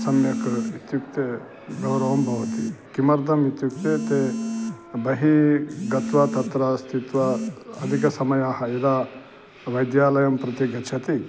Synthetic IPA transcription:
sɐmjɐkit̪jukt̪e | ɡɐwɾɐʋɐmbʱɐʋɐt̪ikimɐɾd̪ʱɐmit̪juk̚t̪et̪e | bɐɦiɡɐt̪ʋɐt̪ɐt̪ɾɐst̪ʰit̪ʋɐɐd̪ʱikɐsɐmɐjaːɦɐid̪a | ʋɐjd̪jaːlɐjɐmpɾɐt̪iɡɐt͡ʃʰɐt̪i

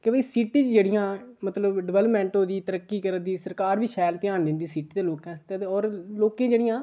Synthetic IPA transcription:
kebəiːsiːʈiːt͡ʃd͡ʒeːɽɪjãːmət̪ləbɖɪʋɛːləpmɛ̃ːɳʈɦoːd̪iːt̪əɾəkːiːkəɾəd̪iːsəɾkaːɾbiːʃʰɛːlt̪ɪjaːnd̪ɪ̃nd̪iːsiːʈiːd̪eːloːkɛ̃ːst̪ẽt̪eɔːɾloːkẽːd͡ʒeːɽɪjãː

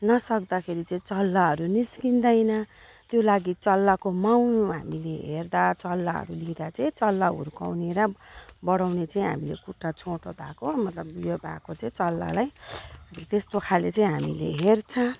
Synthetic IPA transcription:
nʌsʌkd̪akʰeɾit͡sʌĩt͡sʌlːaɦʌɾuniskind̪ʌjnʌ | t̪jolaɡit͡sʌlːakomawɦa̰mileɦerd̪at͡sʌlːaɦʌ̰ɾulid̪at͡sʌĩt͡sʌlːaṵɾka̰wneɾʌbʌɽawnet͡sʌĩɦa̰milḛkuʈːat͡sʰõʈod̪ʱakomʌt̪lʌbijobʱa̰kot͡sʌĩt͡sʌlːa̰laj | t̪est̪okʰalet͡saĩɦamilḛɦert͡sʰʌ̃

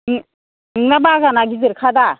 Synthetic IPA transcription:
nɯŋnabaɡanaɡizɯɾkʰada

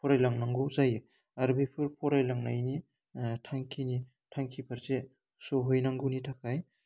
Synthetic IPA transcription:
pʰɔɾajlaŋnaŋɡuwzaj | aɾbepʰɯɾpʰɔɾajlaŋnajni | tʰaŋkʰini | tʰaŋkʰipʰaɾze | soɦɔjnaŋɡuwnitʰakʰaj

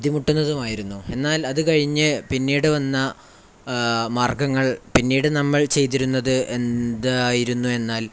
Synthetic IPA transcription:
d̪ʱimuʈːunːɐðumaːjiɾunːue̞nːaːlɐðɨkɐɻiɲːɨpinːiːɽɨʋɐnːɐ | maːrɡɐŋːɐɭpinːiːɽɨnɐmːɐɭt͡ɕejt̪̬iɾunːɐðɨʔend̪aːjiɾunːue̞nːaːl

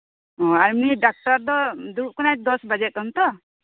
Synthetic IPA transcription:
ɔaɾmiɖak̚ʈaɾd̪ɔd̪uɾuʔ̚kɔnajd̪ɔsbad͡ʒɛt̚ɔnt̪ɔ

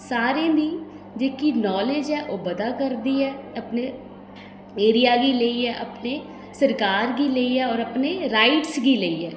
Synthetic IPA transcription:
saːɾẽːd̪iː | d͡ʒeːkiːnɔːled͡ʒɛːʔoːbəd̪aːkəɾd̪iːɛːəpneː | eːɾijaːɡiːleːiːɛːʔəpneː | səɾkaːɾɡiːleiːɛːɔːɾəpneːɾaːɪʈsɡiːleiːɛː

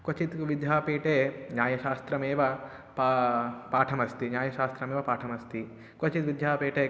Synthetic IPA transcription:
kwɐt͡ʃit̪ʋid̪jaːpeːʈeːɲaːjɐʃaːst̪ɾɐmeːʋɐ | papaːʈʰɐmɐst̪iɲaːjɐʃaːst̪ɾɐmeːʋɐpaːʈʰɐmɐst̪ʰi | kɐt͡ʃit̪ʋid̪ʱjaːpeːʈeː

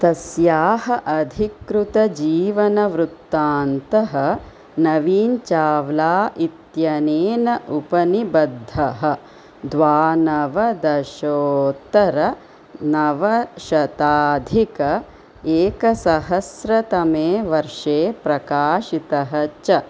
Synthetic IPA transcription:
t̪ɐsjaːɦɐʔɐd̪ʱikɾut̪ɐd͡ʒiːʋɐnɐʋɾut̪ːaːnt̪ɐɦɐ̆ | nɐʋiːnt͡ʃaːʋlaːʔit̪jɐneːnɐʔupɐnibɐd̪ʱːɐɦɐ | d̪ʋaːnɐʋɐd̪ɐʃoːt̪ɐɾɐ | nɐʋɐʃɐt̪aːd̪ʱikɐ | eːkɐsɐɦɐsɾɐt̪ɐmeːʋɐɾʂeːpɾɐkaːʃit̪ɐɦɐt͡ʃɐ

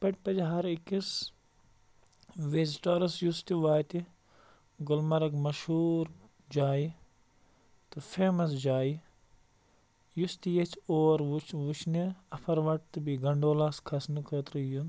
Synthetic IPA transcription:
pɐʈʲpɐd͡ʒɦɐɾikis | ʋezʈɐɾɐsjust̪iʋaːjt̪i | ɡʊlmɐɾɐɡmɐʃhuːɾ | d͡ʒaːji | t̪ɨfʰeːmɐs̬d͡ʒaːji | just̪ijɐt͡ʃʰoːɾʋut͡ʃʰʋut͡ʃʰniɐpʰɐɾʋɐʈ̚t̪ɨbiɡɐɳɖoːlaːskʰɐsnukʰəːt̪ɾɨjun

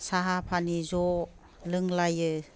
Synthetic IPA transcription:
saɦapʰanizɔ | lɯŋlajɯ

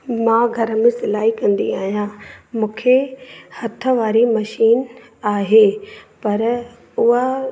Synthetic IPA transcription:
mãːɡʱɐɾə̆mẽsɪlaːɦikɐ̃nd̪ḭaːɦijãmũːkʰehɐt̪ʰə̆ʋaːɾimɐʃiːn | aːɦepɐɾ | ʊɦa

